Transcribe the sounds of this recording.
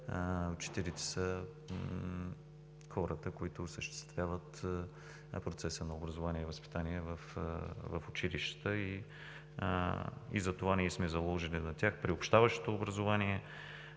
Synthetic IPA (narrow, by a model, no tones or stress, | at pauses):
t͡ʃɛ̥t̪ɛɾit̪ɛ̥sə | xɔɾət̪əkoit̪ʊːsəʃt̪ɛ̥st̪vʲjavət̪ | pɾot̪sɛsənɐobɾɐzovaniɛivəspi̥t̪aniɛvəfvɐfʊt͡ʃiliʃt̪ə̥t̪əḭ | ḭzɐt̪ovanɛɛsmɛzɐlˠɔʒilinɐt̪ʲjaxpɾiopʃt̪avəʃt̪o̥t̪oːbɾɐzovaniɛ